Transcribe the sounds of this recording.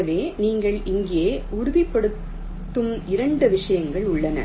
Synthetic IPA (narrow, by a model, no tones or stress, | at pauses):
ɐʋeːniːŋɡɐɭɪŋɡjeːʊɾʊðɪpːɐɽɯt̪ː | ɯmɪɾɐɳɖɯʋɪʂɐjɐŋɡɐɭʊɭːɐnɐ̰